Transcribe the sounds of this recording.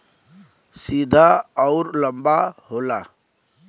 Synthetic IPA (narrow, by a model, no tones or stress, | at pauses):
sid̪ʱaɔʊɾləmbaɦoːla